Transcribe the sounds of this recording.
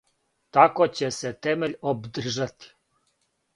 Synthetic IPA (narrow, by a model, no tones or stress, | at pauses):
t̪akot͡ɕɛsɛt̪ɛmeʎʲobd̪r̩ʒat̪i̥